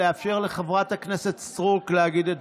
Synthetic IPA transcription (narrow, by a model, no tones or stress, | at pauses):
eafʃeʁleχevʁatakneset̪st̪ʁuklehaɡid̪et